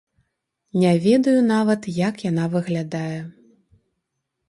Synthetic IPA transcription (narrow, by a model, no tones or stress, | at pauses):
nʲɛvʲɛd̪ɐjunavɐt̪jakjan̪avɨɣlʲad̪ajɛ